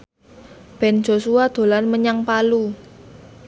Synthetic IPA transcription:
b̥ɛ̤n̥d͡ʒ̥o̤suad̪̥o̤lanməɲaŋpalu

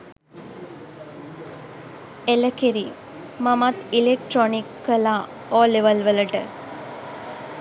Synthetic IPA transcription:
eləkiɾi | mɐmat̪ilek̚ʈɾɔnikːəla | ɔleʋəlʋələʈə̰

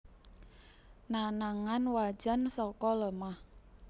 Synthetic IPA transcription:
nanaŋanwḁd͡ʒ̥a̤nsɔkɔləmah

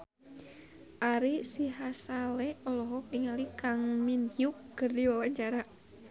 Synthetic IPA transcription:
ʔaɾisiɦasalɛɔlɔɦɔkniŋalikaŋminjuk̚ɡ̥ərdiwawaɲt͡ʃaɾa

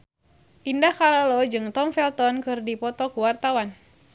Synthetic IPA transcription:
ʔindakalalɔd͡ʒɨŋt̪ɔmfɛlt̪ɔnkɨrdipɔt̪ɔkuwart̪awan

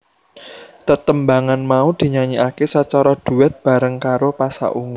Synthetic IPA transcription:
t̪ət̪əmbaŋanmaud̪̥i̤ɲaɲiʔakesət͡ʃaɾɔd̪̥ṳɪt̪̚b̥a̤ɾəŋkaɾopasa̰ʔuŋu

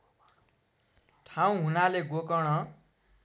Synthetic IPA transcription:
ʈʰaw̃ɦunaleɡokʌɽ̃ʌ

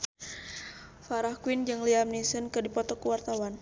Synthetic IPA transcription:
faɾahkwind͡ʒɨŋliamnisənkɨdipɔt̪ɔkuwart̪awan

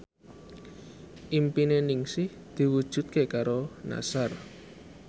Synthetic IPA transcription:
ʔimpinenɪŋsɪh | d̪̥i̤wud̥ʒ̥ṳt̪̚kekaɾona̰sar

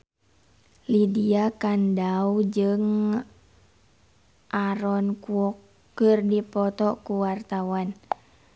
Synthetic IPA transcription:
lidiakandaud͡ʒɨŋ | ʔaɾɔnkuɔ | ərdipɔt̪ɔkuwart̪awan

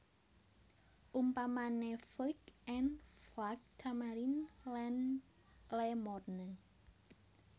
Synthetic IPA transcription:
ʔumpamaneflikɛnflak̚t̪ʰamaɾinlan | lemɔrnə

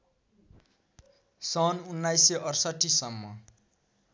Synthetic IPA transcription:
sʌnunːajseʔʌrsʌʈʰːisʌmːʌ

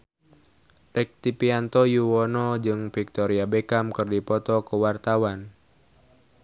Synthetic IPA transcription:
rɛk̚t̪ipiant̪ɔjuwɔnɔd͡ʒɨŋfik̚t̪ɔɾiabekamkɨrdipɔt̪ɔkəwart̪awan

